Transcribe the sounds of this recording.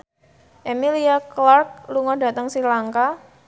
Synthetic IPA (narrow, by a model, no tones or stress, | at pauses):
ʔemiliaklark̚luŋɔda̤t̪əŋsilaŋka